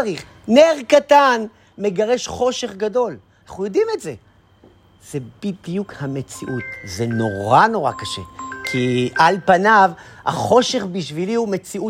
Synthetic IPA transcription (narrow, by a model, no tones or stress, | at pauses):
ʁiχ | ne̞ʁkatan | me̞ɡaʁe̞ʃχo̞ʃe̞χɡado̞lanaχujo̞dime̞tze̞ | z̥e̞b̥idjukhame̞t͡siʔutze̞no̞ʁano̞ʁakaʃe̞̰kʰiʔalpanavha̰χo̞ʃe̞χbiʃviliume̞t͡siu